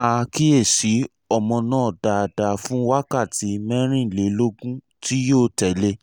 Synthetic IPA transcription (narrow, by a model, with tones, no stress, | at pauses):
a˧ki˦e˦˨si˨˦ | ɔ˦˨mɔ̃˧nãː˦˨da˨da˨fũ˨˦wa˦ka˦˨ti˨˦mɛ̃˦ɾ̃ĩ˦˨le˨˦lo˦ɡũ˦ | ti˦joː˦˨tɛ˨le˧˦